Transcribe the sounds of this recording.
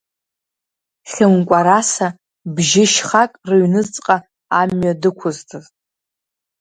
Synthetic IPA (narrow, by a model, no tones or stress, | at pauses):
χʲɨmkʷʼaɾasa | bʒɪʃχakʼrɨɥnɨt͡sʼqʼa | amɥadɨkʷʰʊztʰɨz